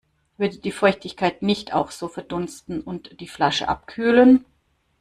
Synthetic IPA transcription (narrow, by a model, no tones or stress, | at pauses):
vʏɐdəd̥iːfɔʏçtɪçkʰaɪtnɪçtʰa̰ʊxz̥oːfɛɐdʊnstn̩ʊntd̥iːflaʃə̰ʔa̰p̚kʰyːlən